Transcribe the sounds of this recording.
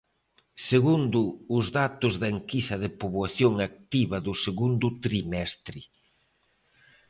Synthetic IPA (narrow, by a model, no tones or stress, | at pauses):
seɣund̪ʊːzðat̪ʊzðɐeŋkisɐðɪpoβwaθjoŋak̚t̪iβɐðʊseɣund̪ʊt̪ɾimɛst̪ɾɪ